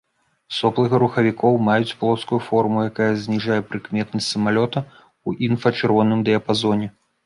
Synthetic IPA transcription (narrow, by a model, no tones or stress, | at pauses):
sɔplˠɨɣɐɾuxɐvʲikʰɔwmajut͡sʲplˠɔskujufɔrmujakajɐzʲnʲiʐajɛpɾɨkmʲɛt̪nɐsʲtʲsɐmalʲɔt̪ɐ | uʔinfɐt͡ʂɨrvɔnɨmd̪ɛɐpazɔnʲɛ